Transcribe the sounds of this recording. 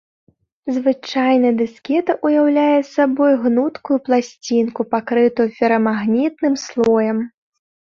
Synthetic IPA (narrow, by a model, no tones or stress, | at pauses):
zvɨt͡ʂajnɐd̪ɨskʲɛt̪ɐʔujawlʲajɛsabɔjɣnut̪kujuplˠasʲt͡sʲinkupakɾɨt̪ujupʲɛɾɐmaɣnʲit̪̚nɨmslˠɔjɐm